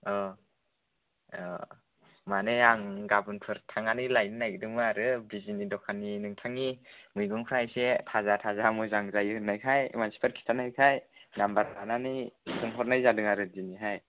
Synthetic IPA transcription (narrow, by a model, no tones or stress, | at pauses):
ɔ | manejaŋɡabɯnpʰɯɾtʰaŋanijlajninajɡɯdɯŋmɯaɾɯbizinidɔkʰaninɯŋtʰaŋimɯjɡɯŋpʰɾajsetʰazatʰazamɯzaŋzajɯhɯnajkʰaj̰mansi̥pʰaɾkʰi̥tʰanajkʰajnambaɾananijsʰɯŋɦɔɾnajzadɯŋaɾɯdiniɦaj